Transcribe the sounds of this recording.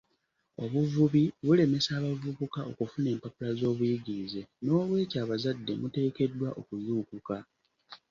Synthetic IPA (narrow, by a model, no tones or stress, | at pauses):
o̞βuvuβiβule̞me̞saːβavuβukaʔo̞kufune̞ːmpapulazo̞ːβujiɡiize̞no̞ːβwe̞ːcaːβazadːe̞mute̞ːke̞dːwaʔo̞kuzuːkuka